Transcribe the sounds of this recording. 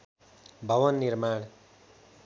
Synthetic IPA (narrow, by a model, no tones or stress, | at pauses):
bʱʌwʌnːiɾmaɳ̃